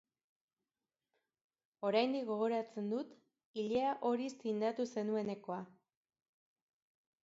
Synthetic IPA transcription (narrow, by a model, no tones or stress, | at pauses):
o̞ɾajnd̪ikɡo̞ɣ̞o̞ɾat͡se̞nd̪ut̪ | iʎeaʔo̞ɾist̪ind̪at̪use̞nue̞ne̞ko̞a